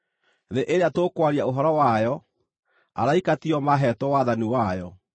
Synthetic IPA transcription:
ðeʔeɾeatokwaɾiaoɦɔɾɔwajɔ | a̰ɾaikatiɔmaɦɛtɔwaðaniwajɔ

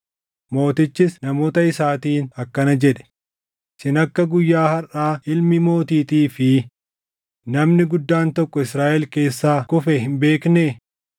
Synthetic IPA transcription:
mo̞ːt̪ɪt͡ʃːɪsnɐmo̞ːt̪ɐɪsaːt̪iːnɐkːɐnɐd͡ʒɛᶑɛ̥ | sɪnɐkːɐɡʊjːaːhɐraːʔɪlmɪmo̞ːt̪iːt̪iːfɪ | nɐmnɪɡʊd̪ːaːnt̪ɔkːɔɪsɾaːʔɛlke̞ːsːaːkʊfɛhɪmbe̞ːknɛ

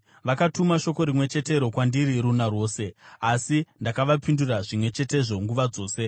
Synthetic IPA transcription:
ʋakatumaʃo̞ko̞ɾimwe̞t͡ʃe̞te̞ɾo̞kwandiɾiɾunarwo̞ːse̞asindakaʋapinduraʐimwe̞t͡ʃe̞te̞ʐo̞ŋɡuʋad͡zo̞ːse̞

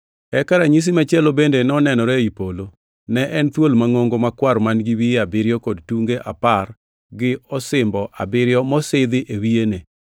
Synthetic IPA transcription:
ɛkaɾaɲis̬imat͡ʃɛlobendenɛɔnɛnɔɾɛipolo | nɛʔɛnt̪wolmaŋoŋɡomakwaɾmanɡiwiabɪɾjɔkɔdtuŋɡeʔa̰par | ɡɪɔsɪmbɔʔa̰bɪɾjɔmɔsɪd̪ɪʔewiene

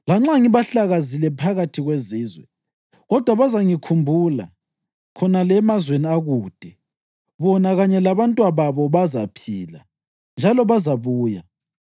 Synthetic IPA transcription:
laŋ͡ǁaŋiβaɬaɣazilɛpʰaɣatʰiɣweziːzwɛ̰ | ɣɔd̥ʱwaβazaŋikʰumbʱula̰ | kʰɔnalɛmazweniaɣuːd̥ʱɛ | βɔnaɣaɲɛlaβantʼwaβaβɔβazapʰiːla̰ | nd͡ʒʱalɔβazaβuːja

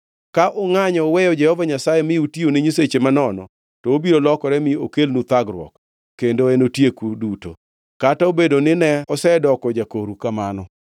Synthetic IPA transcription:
kaʔɔŋaɲɔwɛjɔd͡ʒɛhɔvaɲasajemɪutionɪɲiset͡ʃemanɔnɔ̰ | tɔobiɾolɔkɔɾɛmɪokelnut̪aɡɾwɔ̰kː | endoenotjekuduto̰ | kataobedonɪnɛɔsɛdɔkɔd͡ʒakoɾukamanɔ

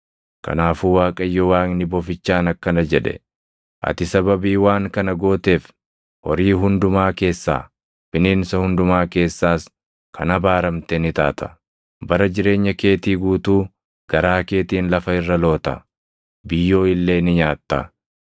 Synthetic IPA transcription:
kɐ̰naːfuːwaːkʼɐjːɔwaːŋnɪbɔfɪt͡ʃːaːnɐkːɐnɐd͡ʒɛᶑɛ̰ | ʔɐ̰t̪ɪsɐbɐbiːwaːŋkɐnɐɡo̞ːt̪e̞ːf | hɔɾiːɦʊnd̪ʊmaːke̞ːsːa̰ː | fɪniːnsɐhʊnd̪ʊmaːke̞ːsːaːs | kʰɐnɐbaːɾɐmt̪enɪt̪aːt̪ɐ̥ | bɐɾɐd͡ʒɪɾe̞ːɲːɐke̞ːt̪iːɡuːt̪uː | ɡ̥ɐɾaːke̞ːt̪iːnlɐfɐɪrːɐlo̞ːt̪ɐ̰ | bɪjːo̞ːɪlːe̞ːnɪɲaːt̪ːɐ̰

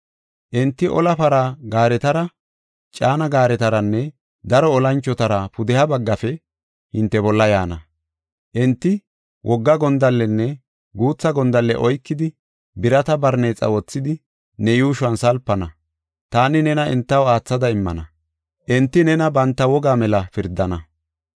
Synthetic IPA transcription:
ʔɪnt̪ːɪʔɔ̰lɐpɐɾɐɡaːɾɛt̪ɐɾɐ | t͡ʃʼaːnɐɡaːɾɛt̪ɐɾɐnːɛ | d̪ɐɾɔɔlɐnt͡ʃːɔt̪ɐɾɐpʊd̪ɛhɐbɐɡːɐfɛ | hɪnt̪ːɛbɔlːɐjaːnɐ | ʔɪnt̪ːɪ | wʔɔɡːɐɡɔnd̪ɐlːɛnːɛ | ɡuːt͡sːɐɡɔnd̪ɐlːɛ̰ʔɔjkːɪd̪ɪ | bɪɾɐt̪ɐbɐɾneːt͡sʼɐ̰wɔt͡sːɪd̪ɪ | nɛjuːʃʊwɐnsɐlpːɐnɐ | t̪aːnɪnɛnɐɪ̰nt̪ːɐwaːt͡sːɐd̪ɐɪmːɐ̰nɐ | ʔɛnt̪ːɪnɛnɐbɐnt̪ːɐwɔɡaːmɛlɐfɪɾd̪ːɐnɐ

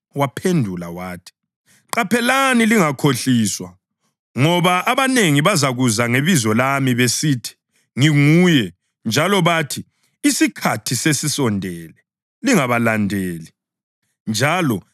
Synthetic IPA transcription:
wapʰendʱulawaːtʰi̥ | ǃapʰɛlaniliŋakʰoɬiːswa | ŋɔβaʔaβaneŋiβazaɣuzaŋeβizɔlamiβesiːtʰi̥ | ŋiŋuːjɛ | nd͡ʒʱalɔβatʰi | isikʰatʰisesisɔndʱɛlɛ | liŋaβalandʱeːli | nd͡ʒʱaːlɔ

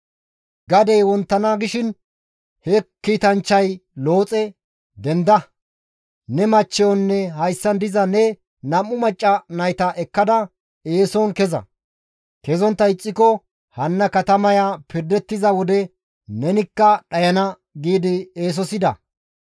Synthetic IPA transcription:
ɡɐd̪ɛjwɔnt̪ːɐnaːɡɪʃɪn | hɛkːiːt̪ɐnt͡ʃːɐjlo̞ːt͡sʼɛ | d̪ɛnd̪ɐ | nɛmɐt͡ʃːɛjɔnːɛhɐjsːɐnd̪ɪzɐnɛ | nɐmːʊmɐt͡ʃʼːɐnɐjt̪ɐʔɛkːɐd̪ɐ | eːsɔnkɛzɐ̰ | kɛzɔnt̪ːɐɪt͡sʼːɪkɔ | hɐnːɐkɐt̪ɐmɐjaːpɪɾd̪ɛt̪ːɪzɐwɔd̪ɛ | nɛnɪkːɐɗɐjɐnɐ | ɡiːd̪ɪeːs̬ɔsɪd̪ɐ̰

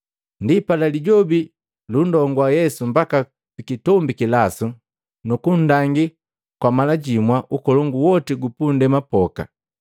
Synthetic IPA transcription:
ndipalaliɟɔbi | lundɔŋɡwajɛsum̩baka | pikitɔmbikilasu | nukun̩daŋɡi | kwamalaɟimwaʔukɔlɔŋɡuwɔtiɡupundɛmapɔka̰

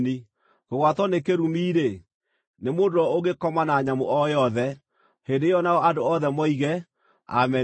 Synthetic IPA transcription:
ni | koɣwatɔnekeɾumiːɾe | nemoːndoɔoɣekɔmanaɲamoʔɔjɔðɛ | hendejɔnaɔadoɔðɛmɔiɣɛ | a̰mɛ

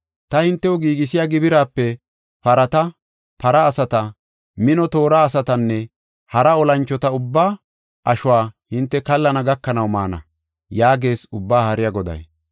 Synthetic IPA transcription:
t̪ɐhɪnt̪ːɛwɔɡiːɡɪsɪjaːɡɪbɪɾaːpːɛ | pɐɾɐt̪ɐ | pɐɾɐːsɐt̪ɐ | mɪnɔt̪o̞ːɾaːsɐt̪ɐnːɛ | hɐɾɐɔlɐnt͡ʃːɔt̪ɐʊbːaː | ʔɐʃʊwaːhɪnt̪ːɛkɐlːɐnɐɡɐkːɐnɐwma̰ːnɐ̰ | jaːɡe̞ːsʊbːaːhɐɾɪjɐɡɔd̪ɐ̰j

